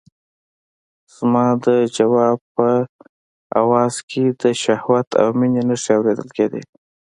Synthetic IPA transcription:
z̥mɑd̪əd͡ʒawɑb̚pə | a̰wɑz̥kʰed̪əʃahwat̪ʰa̰wminenəʂiawɾed̪əlked̪ḛ

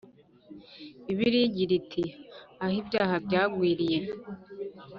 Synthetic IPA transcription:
iβiɾiɟiɾitʰiahibjaːhabɟaːɡwiːɾije

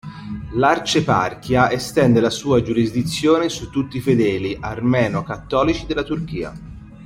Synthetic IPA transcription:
lart͡ʃepa̰rk̟jaʔest̪ɛnd̪elasuːad͡ʒuɾizd̪it̪sːjoːnesut̪ːut̪ːifed̪ɛːliʔarmɛːnokat̪ːɔːlit͡ʃid̪elːat̪urk̟iːa̰

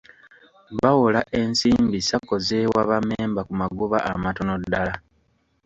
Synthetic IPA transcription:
βawolaʔe̞nsiːmbisako̞zewaβameːmbakumaɡuβa̰ʔa̰mato̞no̞dːala

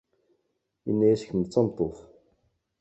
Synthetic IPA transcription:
jə̰nːæjæsə̥çəmt͡sːɑmt̪ˤːoθ

